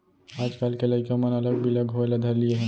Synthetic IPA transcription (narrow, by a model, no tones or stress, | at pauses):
aːd͡ʒkaːlkelɐɪkamɐnɐləɡ̚bʱiləɡɦoelad̪ʱɐɾlieɦɛ